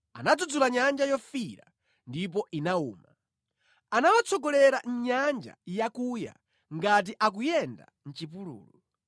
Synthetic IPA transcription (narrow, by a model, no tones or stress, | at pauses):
anad͡zud͡zulaɲand͡ʒajɔfiɾa̰ | ndip̬ɔʔinauːma | anawat͡sʰɔɡɔlɛɾan̩ɲand͡ʒa̰jakuja̰ | ŋɡat̬iʔak̬ujɛnda̰ | n̩t͡ʃipulṵːlɔ